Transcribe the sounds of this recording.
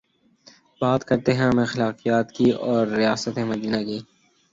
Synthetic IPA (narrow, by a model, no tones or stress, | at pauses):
baːt̪kɐɾt̪eɦɛ̃mɛ̃ːxɪlaːqijaːt̪kiɔːɾːijaːsət̪ɦɛ̃mɐd̪iːnakiː